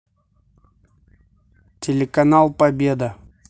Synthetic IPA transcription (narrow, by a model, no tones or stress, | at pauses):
tʲɪlʲɪkɐnalˠpɐbʲed̪ə